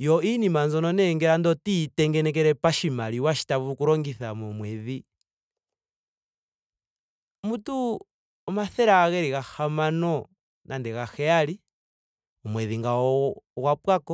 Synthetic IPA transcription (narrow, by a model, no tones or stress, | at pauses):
jɔinimanzɔnɔnɛŋɡɛɾandɔtitɛŋɡɛnɛk̬ɛɾɛpaʃimaliwaʃi̥taβukuɾɔŋɡiθamɔmwɛði | mutu | ɔmaθɛɾaɣɛɾiɣahamanɔ | nʔandɛɣaxɛali | ɔmwɛðiŋɡawapwakɔ